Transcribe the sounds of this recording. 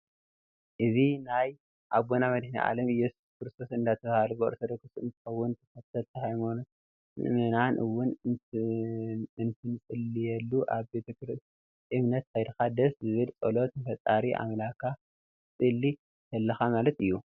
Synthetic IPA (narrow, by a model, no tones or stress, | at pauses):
ʔɨzinaj | ʔaβɡonamɐd̪ɨħnḭʔa̰lɐmjɛsu̥skɾɨst̪ʰo̞sɨnd̪at̪ʰɐβahalubɨo̰ɾsɐd̪ɐkʰɨsɨ̰nt̪ʰɨ̥xɐwːʊnt̪ʰɨ̥fɐt̪ʰːɐlt̪ʰɐhajmon | ɨ̰ʔmɨnanʔɨwːʊn | ɨnt̪ʰɨnɨt͡sʼɨlːijɛlːuʔaβbe̞t̪ʰɐkɾst̪ | ʔɨmnɐt̪hʰajd̪ɨxad̪ɐszɨβɨlt͡sʼolo̞t̪fɐt̪ʼaɾiʔa̰mlakʰa | t͡sʼɨlːi | t̪ʰɐlːɐxamalɐt̪ɨjːu